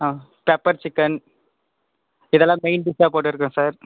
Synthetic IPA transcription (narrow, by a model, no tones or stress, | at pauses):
a | pɛpːɐɾt͡ʃɪkːɐn | ɪðɛlːãːmeɪnɖɪsaːpoːʈ̬ːɪɾɯkːʊ̃saːɾ